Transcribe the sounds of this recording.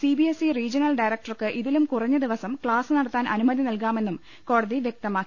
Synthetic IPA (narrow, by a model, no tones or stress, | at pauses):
sibiesiriːd͡ʑɐnɐlɖɐjɾɐk̚ʈɐrkɨʔiðilumkurɐɲːɐd̪iʋɐsɐmkɭaːsɨnɐɽɐt̪ːaːnʔɐnumɐðinɐlk̬aːme̞nːum | ko̞ːɽɐðiʋjek̚t̪ɐmaːkːi